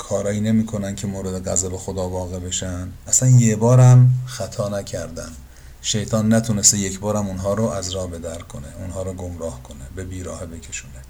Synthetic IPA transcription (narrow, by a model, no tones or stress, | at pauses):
kʰɒːɾɒːiːne̞miːkʰo̞næncʰe̞moːɾed̪eɣæzæbexod̪ɒːvɒːɣebe̞ʃænæsænjebɒːɾæmxæt̪ʰɒːnæcʰæɾd̪ænd̪ | ʃe̞jt̪ʰɒːnːæt̪ʰunest̪ejecʰbɒːɾæmonɦɒːɾoæzɾɒːbe̞d̪æɾkʰoneunɦɒːɾoɡomɾɒːhkʰo̞nebebiːɾɒːhebe̞cʲʰe̞ʃuːne